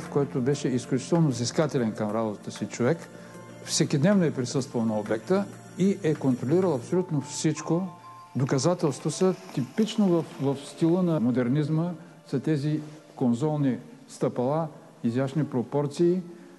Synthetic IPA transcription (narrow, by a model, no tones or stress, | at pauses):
fkoɔɛt̪obɛʃɛisklʲut͡ʃi̥t̪ɛlˠnoziskat̪ɛlɛnkɐmɾabot̪ət̪əsit͡ʃovɛk | fsɛkʲid̪nɛvnoɛpɾisɤst̪vəlˠnɐobɛk̚t̪ə | iʔɛkont̪ɾoliɾəlˠɐpsolʲut̪nofsit͡ʃko | d̪okɐzat̪ɛlˠst̪vosət̪ipit͡ʃnovəfvɐfst̪ilˠənɐmod̪ɛɾnizmə | sɐt̪ɛzi | konzɔlˠni | st̪ɐpɐlˠa | izjaʃnipɾopɔɾt̪siː